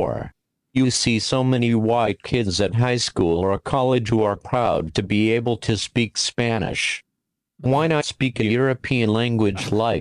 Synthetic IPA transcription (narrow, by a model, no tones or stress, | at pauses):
ɹ | jɨsisoʊmɛñiwaɪd̚kʰɪdzɨt̚ɦaɪskulˠə˞kʰɑlˠɨ̥ʒ̥huə˞pʰɹ̥aʊd̚tʰɨbieɪbl̩ˠtʰɨspikspænɪ̰ʃ | waɪñətspikɨjʊɹɨpʰiɨ̃nlæ̃ŋɡwɨd͡ʒlaɪk